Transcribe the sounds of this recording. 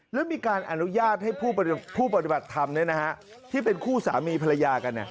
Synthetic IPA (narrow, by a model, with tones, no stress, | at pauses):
lɛː˦˥miː˧kaː˧nʔa˧nu˦˥jaː˥˩t̪̚ha˥˩jpʰuː˥˩a˧pʰuː˥˩pa˧t̪i˨˩ba˨˩t̪ʰːa˧mnɯ˦˥˩ɐna˦˥ka˦˥ʔ | t̪ʰiː˥˩pe˧nkʰuː˥˩sa̰ː˩˦miː˧pʰa˧la˧jaː˧ka˧nːḭ˨˩